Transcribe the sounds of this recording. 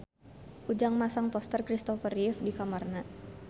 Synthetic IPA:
ʔud͡ʒaŋmasaŋpɔst̪ərkɾist̪ɔfərifdikamarna

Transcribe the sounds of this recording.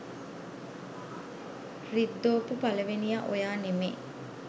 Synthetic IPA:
rid̪ːoːpupɐlɐʋenijɐʔojaːnemḛː

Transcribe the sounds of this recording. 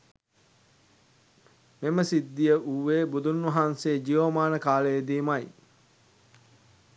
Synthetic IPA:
meməsid̪ːijəʔuʋeːbud̪unːɐɦaːnsed͡ʒiʋʋəmaːnəkaːləjed̪iːmɐj

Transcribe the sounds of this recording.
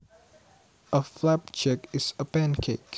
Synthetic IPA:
ʔəflab̚t͡ʃʰɛkɪsəpæ̃nkʰek

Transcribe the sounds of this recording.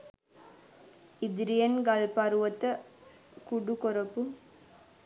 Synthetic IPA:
ɪd̪ɪɾɪjɐnɡɐlpɐɾʋɐt̪ːɐ | kʊɽukɔɾɐpːu

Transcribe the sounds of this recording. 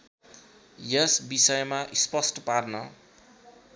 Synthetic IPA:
jʌsbisʌjmaʔispʌsʈʌparnʌ

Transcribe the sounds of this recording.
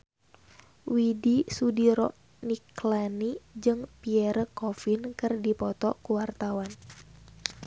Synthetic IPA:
widisudiɾɔʔ | niklanid͡ʒɨŋpiɛɾəkɔfinkɨrdipɔt̪ɔkuwart̪awan

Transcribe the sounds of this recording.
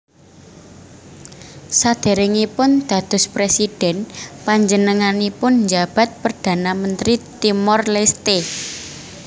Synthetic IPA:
sad̪̥e̤ɾɪŋipʊnd̪̥ä̤d̪̥ʊ̤spɾesid̥ɛ̤npaɲd͡ʒənəŋanipʊnɲd͡ʒab̥a̤t̪̚pərd̪̥a̤namənt̪ɾit̪imɔrlest̪e

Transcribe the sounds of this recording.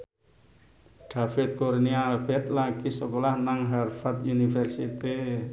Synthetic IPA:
ɖ̥a̤fɪt̪̚kornialb̥ɛt̪lakisəkolahnaŋɦarfat̪unifɛrsit̪i

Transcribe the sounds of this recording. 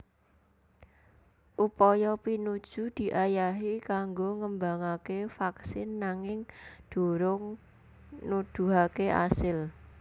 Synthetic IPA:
ʔupɔjɔpinud̥ʒ̥ṳd̪̥i̤ʔajaɦikaŋɡoŋəmbaŋakefaksɪnːaŋɪŋd̪̥o̤ɾʊŋ | nud̪̥ṳɦakeʔa̰sɪl

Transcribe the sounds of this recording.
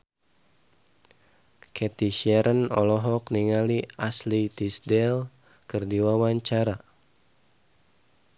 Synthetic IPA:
kʰɛt̪iʃɛɾənɔ̰lɔɦɔkniŋaliaslit̪isdɛl | kɨrdiwawaɲt͡ʃaɾa

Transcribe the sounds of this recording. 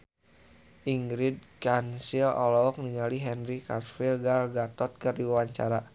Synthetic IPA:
ʔiŋɡɾid̪̚kansilɔ̰lɔɔk̚niŋaliɦɛnɾikarfilɡalɡat̪ɔt̪̚kɨrdiwawaɲt͡ʃaɾa

